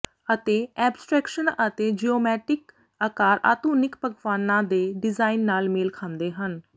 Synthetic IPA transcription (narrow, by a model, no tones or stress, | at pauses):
ət̪eːɛːbsʈɾɛːkʃənət̪eːd͡ʒioːmɛːʈɪk | aːkaːɾʔa̰ːt̪uːnɪkpəkʋaːnãːd̪eːɖɪzaːinːaːlmeːlkʰaːnd̪eːɦən